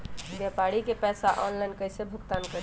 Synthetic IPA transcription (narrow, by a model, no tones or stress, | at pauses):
bjapaɾikepɛjsaʔɔnlajnkəjsebʱukt̪ankəɾ